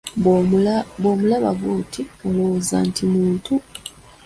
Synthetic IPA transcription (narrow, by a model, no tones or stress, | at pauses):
boːmulaβaɡuːtʰioloza̰ːntʰimuːntʰu